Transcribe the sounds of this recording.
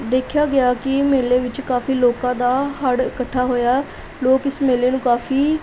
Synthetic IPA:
d̪eːkʰjaːɡɪjaːkɪmeːleːʋɪt͡ʃkaːfiːloːkãːd̪aːɦəɽɪkəʈʰːaːɦoːjaː | loːkɪsmeːleːnũːkaːfʰiː

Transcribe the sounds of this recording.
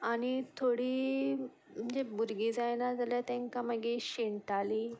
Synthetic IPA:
aɽ̃it̪ʰoɽiː | m̤ənd͡ʑebuɾɡiːd͡zajnad͡zaljat̪ẽŋkãməɡiɕeɳt̪aliː

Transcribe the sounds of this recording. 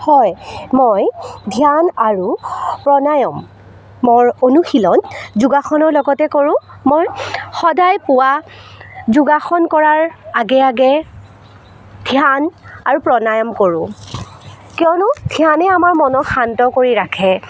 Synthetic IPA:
hɔjmojdʱijanaɹupɹɔnajɔmː | ɔɹonuxilɔnzuɡaxɔnɔɹlɔɡɔtɛkoɹʊ̃moɹxɔdajpʊwa | zuɡaxɔnkɔɹaɹaɡɛaɡɛ | dʱjanaɹupɹɔnajɔmkoɹʊ̰̃ | kijɔnʊdʱjanɛamaɹmɔnɔxantɔkoɹiɹakʰɛ

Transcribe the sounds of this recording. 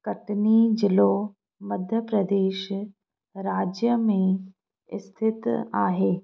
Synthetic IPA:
kɐʈnid͡ʒɪlo | mɐd̪ʱjəpɾəd̪eːʃ | ɾaːd͡ʒjəmẽ | ɪst̪ʰɪt̪a̰ːɦeː

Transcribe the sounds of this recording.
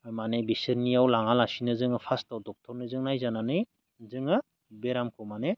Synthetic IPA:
manebisɯɾnijawlaŋalasinɯzɯŋɯpʰastawdɔk̚tʰɔɾnɯzɯŋnajzananɯj | zɯŋɯ | beɾamkʰɔmane

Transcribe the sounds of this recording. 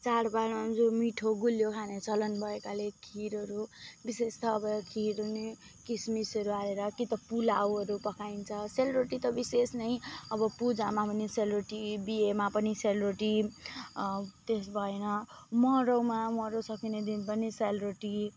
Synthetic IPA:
t͡saɾbalʌ̃nd͡zomiʈʰoɡuljokʰanet͡sʰʌlʌnbʱʌekalekʰiɾʌɾubisest̪ʌːbʌkʰiɾune | kismisʌɾuaɾeɾʌkit̪ʌpulawʌɾupʌkʰaint͡sʰʌselɾoʈit̪ʌbisesnʌjʌbʌpud͡zamapʌniselɾoʈibiemapʌniselɾoʈi | t̪esbʱʌenʌ | mʌɾowmamʌɾowsʌkined̪inpʌniselɾoʈi

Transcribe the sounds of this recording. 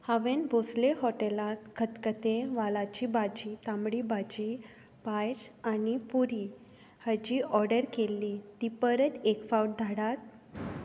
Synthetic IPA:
haʋenbʱosleɦɔʈelat̪kʰət̪kət̪eʋalat͡ɕibad͡ʑit̪ãmɽibad͡ʑi | bajsanipuɾi | həd͡ʑiːɔɾɖəɾkelːit̪ipəɾət̪ekfawʈ̚d̪ʱaɽat̪̚

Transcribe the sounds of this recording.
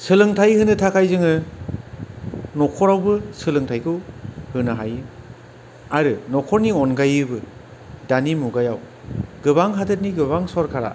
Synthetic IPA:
sɯlɯŋtʰajhɯnɯtʰakʰajzɯŋɯ | nɔkʰɔɾawbɯsɯlɯŋtʰajkʰɯhɯnaɦajɯ | aɾɯnɔkʰɔɾniɔnɡajɯbɯ | danimuɡajaw | ɡɯbaŋɦadɯt̚niɡɯβaŋsɔɾkʰaɾa̰

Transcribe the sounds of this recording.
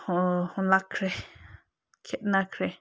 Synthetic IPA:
hõhõlakʰɾe | kʰeʔnãkʰɾe

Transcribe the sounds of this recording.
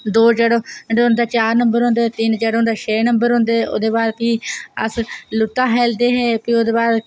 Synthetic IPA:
d̪oːd͡ʒɛːɽoːɖʊnd̪aːt͡ʃaːɾnə̃mbəɾɦõːnd̪eːt̪ɪnd͡ʒɛːɽoːnd̪aːt͡ʃʰeːnəmbəɾɦõːnd̪eːo̰ːd̪eːbaːɾpiːə̰slʊt̪ːãːɦɛːld̪eːɦɛːpiːoːd̪eːbaːɾ

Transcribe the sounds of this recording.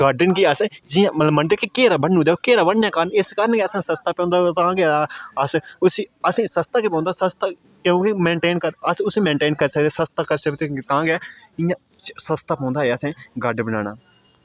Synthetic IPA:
ɡaːɖənkiːəsed͡ʒɪjãːmət̪ləbmːəɳɖekikeːɾaːbənːũːd̪eːokeːɾaːbəɽjãːkaːnɪskaɾənkeəsãːsəst̪aːpõːnd̪aːt̪ãːɡeəsʊsiːəsĩːsəst̪aːkeːpõːnd̪aːsəst̪aː | kːõːkimẽːɳʈeːnkəəsʊseːmẽːɳʈeːnkəɾsək̚d̪eːsəst̪aːkəɾsəkt̪ek̪ãːɡɛː | ɪjãːsəst̪aːpɔ̃ːnd̪aːɦeːəsẽːɡaːɖbəna̰ːna̰ː

